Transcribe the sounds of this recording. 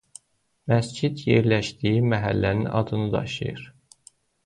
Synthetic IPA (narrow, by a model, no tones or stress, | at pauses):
mæsd͡ʒid̪jeɾlæʃd̪ijimæɦælːæninʔɑ̰d̪ɯnɯd̪ɑ̰ʃɯ̰jɯ̰ɾ̥